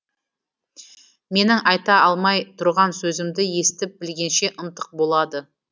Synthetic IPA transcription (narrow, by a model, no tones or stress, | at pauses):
me̞nɪŋɑjt̪ɑɑlˠmɑjt̪ʰʊɾʁɑnsɵzɪmd̪ɪje̞st̪ɪp̚bɪlɡʲe̞nʃe̞ʔʊnt̪əq̚bo̞lˠɑd̪ə